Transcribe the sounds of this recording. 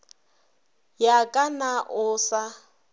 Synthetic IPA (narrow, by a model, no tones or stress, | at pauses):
jakʼanaʔʊsa